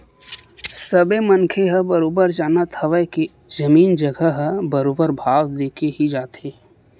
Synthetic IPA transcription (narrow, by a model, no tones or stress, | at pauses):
səbemənkʰeɦəbəɾoːbəɾd͡ʒaːnat̪ʰəʋəke | zəmiːnd͡ʒəɡʱəɦəbəɾoːbəɾbʱaːʋd̪eːkʰeɦid͡ʒaːt̪eː